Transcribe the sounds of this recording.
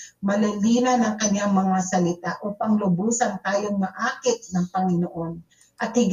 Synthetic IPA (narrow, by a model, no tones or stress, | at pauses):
mɐlɐliːnɐnɐŋkɐɲːaŋmɐŋasɐlɪt̪aʔopɐŋlʊbuːsɐnt̪aːjoŋmɐʔaːkɪt̪̚nɐŋpɐŋɪnoʔo̞n | ʔɐt̪̚hɪɡ